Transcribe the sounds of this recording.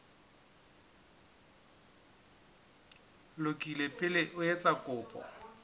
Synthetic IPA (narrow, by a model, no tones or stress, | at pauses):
lʊkʼilepʼɪleʔʊet͡sʼakʼʊːpʼɔ̰